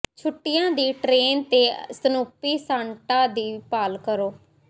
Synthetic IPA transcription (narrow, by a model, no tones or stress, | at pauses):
t͡ʃʰʊʈːɪjãːd̪iːʈɾeːnt̪eːsənuːpiːsãːɳʈãːd̪iːpaːlkəɾoː